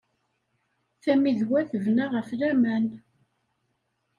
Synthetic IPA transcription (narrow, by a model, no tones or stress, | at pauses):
θæmiðwæθəvnaʁəflæmæn